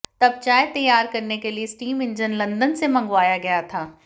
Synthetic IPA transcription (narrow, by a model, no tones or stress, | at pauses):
t̪ɐbt͡ʃaːet̪ɐjːaːɾkɐɾnekelieɪsʈiːmɪ̃nd͡ʒənlɐ̃nd̪ənsemɐ̃ŋɡʋaːjaɡɐjat̪ʰaː